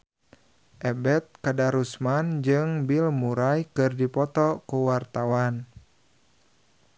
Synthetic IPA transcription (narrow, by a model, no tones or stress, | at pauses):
ʔɛbɛt̪̚kadaɾusmand͡ʒɨŋbilmuɾajkɨrdipɔt̪ɔkuwart̪awan